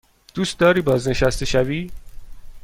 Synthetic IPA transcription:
d̪̥uːst̪̚d̪ɒːɾiːbɒːzne̞ʃæst̪eʃæviː

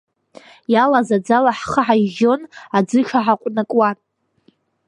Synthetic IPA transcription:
jalazad͡zalaħχaʕaʒo̞nad͡zɨʂʰaʕaqʷʼnakʼwa

